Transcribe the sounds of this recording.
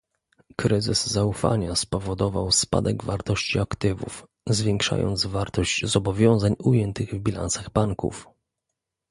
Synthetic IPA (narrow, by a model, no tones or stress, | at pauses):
kɾɘzɘ̰zzaufa̰ɲaspɔvɔd̪ɔvawspa̰d̪ɛɡvaɾt̪ɔɕt͡ɕiakt̪ɘvṵf | zvʲjɛŋkʂa̰jɔ̰nd̪zvaɾt̪ɔʑt͡ɕzɔbɔvʲjɔ̃w̃zaɲujɛnt̪ɘɣvbʲila̰nsaɣbaŋkṵf